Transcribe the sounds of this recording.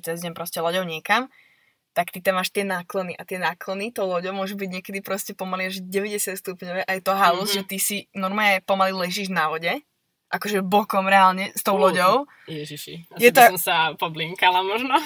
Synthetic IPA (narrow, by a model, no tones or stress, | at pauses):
t̪ɛdazɲɛmpɾɔscɛlɔɟɔʊɲɪɛkam | t̪akt̪it̪amːaːʃt̪ɪɛnaːklɔniʔat̪ɪɛnaːklɔnit̪ɔʊlɔɟɔʊmʊɔʒubiɟɲɪɛkɛd̪ipɾɔscɛpɔmaliaʒɟɛʋɛɟɛsat̪st̪upɲɔʋɛʔajɛt̪ɔɦaluzʒɛt̪isinɔɾmaɲɛpɔmalilɛʒiːʒnaʋɔɟɛ | ʔakɔʒɛbɔkɔmɾɛaːlɲɛst̪ɔʊlˠɔɟɔʊ | jɛʒiʃḭjɛt̪ɔɔmsapɔbliŋkalamɔʒnɔ